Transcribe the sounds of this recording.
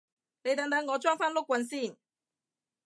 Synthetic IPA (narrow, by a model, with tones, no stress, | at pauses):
ne˨˧jt̪ɐ˨˧ŋt̪̬ɐ˨˥ŋŋɔː˨˧t͡ʃɔː˥ŋfaː˥nlʊ˥kʷːwɐ˧nsiː˥˩n